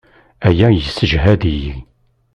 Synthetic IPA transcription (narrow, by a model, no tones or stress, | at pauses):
æjæjəsːəʒɦæd̪iji